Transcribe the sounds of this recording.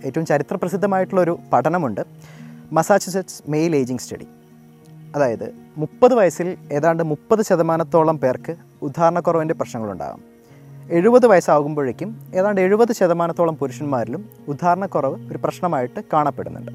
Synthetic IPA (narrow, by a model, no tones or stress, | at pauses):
e̞ːtːɐʋumt͡ɕɐɾit̪rɐprɐsid̪ʱːɐmaːjiʈːuɭːoɾupɐʈʰɐnɐmuɳɖɨmɐsaːd͡ʑɐsetsmejle̞ːd͡ʑiŋɡstɐ̰ɽḭ | ɐðaːjɐðɨ̰mupːɐðɨʋɐjɐsile̞ːðaːɳɖɨmupːɐðɨɕɐðɐmaːnɐt̪ːoːɭɐmpe̞ːrkɨ | ud̪ʱːaːɾɐɳɐkːurɐʋinde̞prɐɕnɐŋːɐɭṵɳɖa̰ːɣṵm | e̞ɻubɐðɨʋɐjɐsaːʋuɣumbo̞ːɻekʲːume̞ːðaːɳɖɨe̞ɻubɐðɨɕɐðɐmaːnɐt̪ːo̞ːɭɐmpuɾuʂɐnmaːɾilum | ud̪ʱːaːɾɐɳɐkːurɐʋɨo̞ɾuprɐɕnɐmaːjiʈːɨkaːɳɐpːe̞̰ɽṵnːṵɳɖɨ